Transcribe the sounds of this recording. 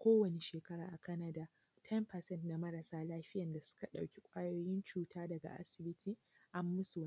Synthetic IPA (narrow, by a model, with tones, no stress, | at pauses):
kʷoː˦wɐ˨ne˦ʃeː˨kɐ˦ɽaː˨ʔa˨kɐ˦nɐ˨daː˦ | tʰɛ˦mpɐ˨sɛ˦ntna˨mɐ˦ɾɐ˨saː˦laː˦ɸɪ˦jɐ˨nda˨sʊ̥˦ka˨ɗa˨wkʲi˦kʷʼaː˦joː˦jɪ˦nt͡ʃuː˦tʰaː˦dɐ˨ɡa̰˨ʔa̰˦sɪ˨bɪ˦tʰiː˦ | ʔa˦mːʊ˦su˨w